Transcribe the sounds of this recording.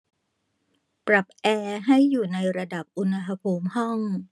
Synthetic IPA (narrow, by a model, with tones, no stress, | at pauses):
pɾa˨˩p̚ʔɛː˧ɦa˥˩jːuː˨˩na˧jɾa˧da˨˩p̚ʔu˧nha˧ɦa˧pʰuː˧mhɔ˥˩ŋ